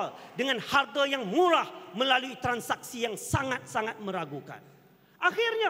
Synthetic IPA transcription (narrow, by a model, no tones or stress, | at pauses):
ldəŋãnhart̪ajaŋmũɾahmə̃laluit̪ɾansak̚sijaŋsaŋat̪̚saŋat̪̚mə̃ɾaɡuka̰n | ʔaxirɲã